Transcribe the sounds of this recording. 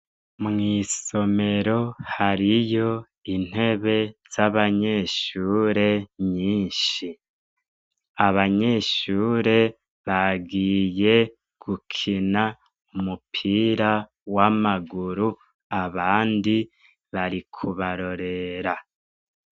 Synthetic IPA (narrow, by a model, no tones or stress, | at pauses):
mŋiːso̞me̞ɾo̞haɾijo̞ | in̥e̞βe̞z̥aβaɲe̞ʃuːɾe̞ɲiːnʃi | aβaɲe̞ʃuːɾe̞ | βaɡiːje̞ | ɡ̥ukʰina | umupʰiːɾa | wamaɡuɾu | aβaːndi | βaɾikʰuβaɾo̞ɾe̞ɾa